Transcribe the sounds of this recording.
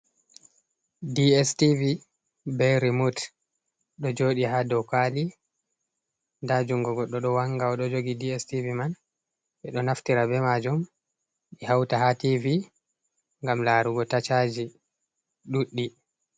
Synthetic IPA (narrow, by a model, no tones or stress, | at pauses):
diɛstivi | bɛɾimut | ɗɔd͡ʒoɗiɦadɔkali | dad͡ʒuŋɡɔɡɔɗɔɗɔwaŋɡaɔɗɔd͡ʒoɡidiɛstiviman | ɓɛɗɔnaftiɾabɛmad͡ʒum | ɗihawtahativi | ŋɡamlaɾuɡɔtat͡ʃad͡ʒi | ɗuɗːi